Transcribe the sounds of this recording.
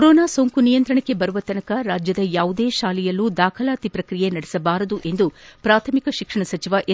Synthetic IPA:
ɾoːnaːsoːŋkunijɐnt̪ɾɐɳɐkːe̞bɐɾuʋɐt̪ɐnɐkɐɾaːd͡ʒjɐd̪ɐjaːʋud̪eːʃaːlijɐlːud̪aːkʰɐlaːt̪ipɾɐkɾijenɐɽesɐbaːɾɐd̪uʔe̞nd̪upɾaːt̪ʰɐmikɐʃikʂɐɳɐsɐt͡ʃiʋɐʔ

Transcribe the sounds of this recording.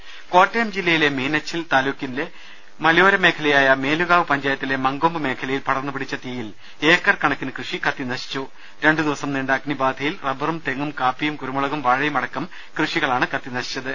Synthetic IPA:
ko̞ːtːejɐmd͡ʑilːɐjile̞miːnɐt͡ɕːilt̪aːluːkːinle | mɐljo̞ːɾɐme̞ːkʰɐlɐjaːjɐme̞ːluɣaːʋɨpɐɲd͡ʑaːjɐt̪ːile̞mɐŋɡo̞ːmbɨme̞ːkʰɐlɐjilpɐɽɐnːupiɽit͡ɕːɐt̪ijil | e̞ːkːɐrkɐɳɐkːinɨkrɨʂikɐt̪ːinɐɕi̥t͡ɕːu | ɾe̞ɳɖɨd̪iʋɐsɐmniɳɖaːkːnibaːd̪ʱɐjilrɐbɐrumt̪e̞ŋːumkaːpːijumkuɾumuɭɐɣumʋaːɻɐjumɐɽɐkːɐm | krɨʂiɣɐɭaːɳɨkɐt̪ːinɐɕi̥t͡ɕːɐðɨ

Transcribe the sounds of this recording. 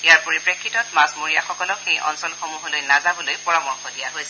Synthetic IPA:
ejaɹpoɹipɹekʰːitɔtmasmoɹijaxɔkɔlɔkxejʔɔ̰nsɔlxomuɦolojnazabɔlojpɔɹamɔɹkʰɔdija̰ɦojsɛ

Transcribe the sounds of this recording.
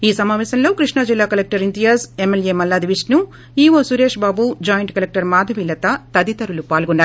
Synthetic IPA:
iːsɐmaːʋɛːsɐnlo̞ːkɾiʂɳad͡ʒilːaːkɐlek̚ʈɐɾint̪ijɐsemelje̞ːmɐlːaːd̪iʋisʈnu | iːʋoːsuɾe̞ːʂbaːbud͡ʒaːjɐɳʈkɐlek̚ʈɐɾmaːd̪ʱɐʋiːlɐt̪ɐt̪ɐd̪it̪ɐɾulupaːlɡunːaːɾu

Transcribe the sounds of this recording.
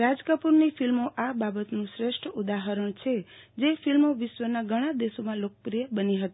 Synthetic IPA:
ɾad͡ʒkəpuɾnifʰilmoʔababət̪nũʃɾeʃʈʰəud̪aɦəɾəɳt͡ʃʰe | d͡ʒefilmoʋiʃʋənaɡʱəɽ̃ãd̪eʃomãlokəpɾijəbəniɦət̪i

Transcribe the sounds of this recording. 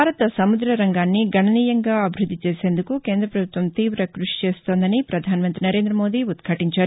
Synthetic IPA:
aːɾɐt̪ɐsɐmud̪ɾɐɾɐŋɡaːnːiɡɐɳɐniːjɐŋɡaːɐbʱiɾud̪ʱːit͡ʃeːseːnd̪ukuke̞ːnd̪ɾɐpɾɐbʱut̪ʋɐmt̪iːʋɾɐkɾuʂi̥t͡ʃeːst̪o̞ːnd̪ɐnipɾɐd̪ʱaːnmɐnt̪ɾinɐɾeːnd̪ɾɐmo̞ːd̪iut̪kʰɐʈiɲt͡ʃaːɾ

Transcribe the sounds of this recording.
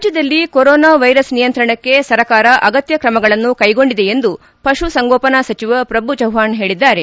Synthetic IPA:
ad͡ʒjɐd̪ɐlːikoɾɔːnaːʋɐjɾɐsnijɐnt̪ɾɐɳɐkːe̞sɐɾɐkaːɾɐʔɐɡɐt̪jɐkɾɐmɐɡɐɭɐnːukɐjɡo̞ɳɖid̪e̞jend̪u | pɐʂusɐŋɡɔːpɐnasɐt͡ʃiʋɐpɾɐbud͡ʒɐwɦaːnɦe̞ːɭid̪ːaːɾe

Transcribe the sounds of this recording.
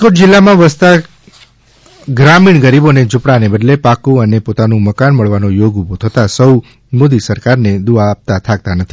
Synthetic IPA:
koʈd͡ʒɪlːamãʋəst̪a | ɡɾamiɳɡəɾiboned͡ʒʊpɽanebəd̪lepakũənepot̪anũməkanməɭʋanojoɡubot̪ʰət̪asəw | mod̪isəɾkaɾned̪uaːp̚t̪at̪ʰak̚t̪anət̪ʰi̥

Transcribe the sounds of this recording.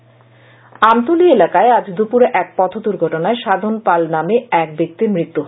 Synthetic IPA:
amt̪ulielakaead͡ʑd̪upuɾeʔɛk̚pɔt̪ʰod̪uɾɡʱɔʈonaeʃad̪ʱonpalnameɛk̚bek̚t̪iɾmɾit̪ːuɦ

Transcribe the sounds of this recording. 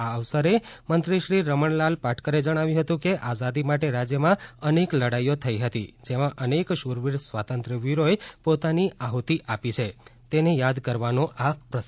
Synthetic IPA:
aəʋsəɾemənt̪ɾiʃɾiɾəməɳlalpaʈʰkəɾed͡ʒəɽ̃aʋjũɦət̪ũkeʔazad̪imaʈeɾad͡ʒjəmãənekləɽajot̪ʰəiɦət̪ḭd͡ʒemãʔənekʃuɾʋiɾsʋat̪ənt̪ɾəʋiɾoepot̪aniʔaɦot̪iʔapit͡ʃʰet̪enejad̪kəɾʋanoʔapɾəs

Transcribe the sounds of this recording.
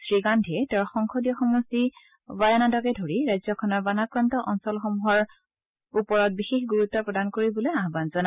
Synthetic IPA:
sɹiɡandʱiɛtɛɹxɔŋxʰɔdijɔxɔmusi | bajanadɔkɛdʱoɹiɹajzɔkʰɔnɔɹbanakɹantɔʔɔnsɔlxɔmuɦɔɹ | upɔɹɔt̚bixexɡuɹutːɔpɹɔdankoɹibɔlojaɦbanzɔna

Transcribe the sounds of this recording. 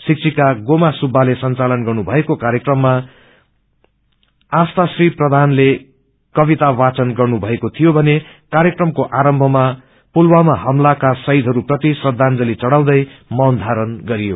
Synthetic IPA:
sik̚t͡sʰikaɡomasubʱːalesʌnt͡salʌnɡʌrnubʱʌekokaɾjekrʌmːa | ast̪asriprʌd̪ʱanle | kʌβit̪awat͡sʌnɡʌrnubʱʌekot̪ʰijobʱʌne | kaɾjekrʌmkoʔaɾʌmbʱʌma | pulwamaɦʌmlakasʌid̪ʱɦʌɾuprʌt̪isrʌd̪ʱːand͡zʌlit͡sʌɽaw̃d̪ʌjmʌnd̪ʱaɾʌnɡʌɾijo

